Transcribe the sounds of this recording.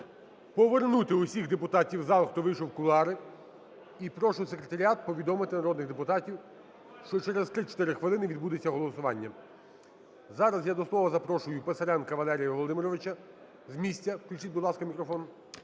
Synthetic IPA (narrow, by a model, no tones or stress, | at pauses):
pɔʋernut̪ɪusʲiɣd̪epʊt̪ɑtʲiwzɑlˠxt̪ɔʋɪʃɔwkʊlˠɑɾɪ | ipɾɔʃʊsekɾet̪ɐɾʲiɑt̪̚pɔʋʲid̪ɔmɪt̪ɪnɐɾɔd̪nɪɣd̪epʊt̪ɑtʲiw | ʃt͡ʃɔt͡ʃɛɾezt̪ɾɪt͡ʃe̥t̪ɪɾɪxʋɪlˠɪnɪʋʲid̪̚bud̪et͡sʲːɐɦɔlˠɔsʊʋɑnʲːɐ | zɑɾɐzjad̪ɔslˠɔʋɐzɐpɾɔʃʊjʊpesɐɾɛnkɐʋɐlˠɛɾʲijɐʋɔlˠɔd̪ɪmɪɾɔʋɪt͡ʃɐ | zmʲisʲtʲːɐwklʲut͡ʃitʲbʊd̪lˠɑskɐmʲikɾɔfɔn